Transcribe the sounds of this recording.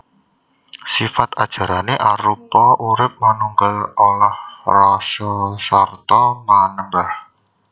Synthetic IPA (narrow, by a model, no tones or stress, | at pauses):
sifat̪ad̥ʒ̥a̤ɾaneʔaɾupɔʔuɾɪp̚manuŋɡəlolahrɔsosɔrt̪ɔmanəmbah